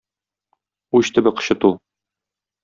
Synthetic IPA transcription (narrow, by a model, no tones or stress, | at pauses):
uɕt̪ɘ̆bɘqɤ̥̆ɕɤ̆t̪ulˠ